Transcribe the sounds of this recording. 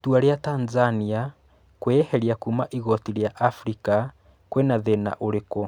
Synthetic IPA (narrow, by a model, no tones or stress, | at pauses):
tuaɾeatanzania | kwehɛɾiakumaʔiɣɔtiɾjaʔafɾika | kwenaðena̰ʔoɾekɔ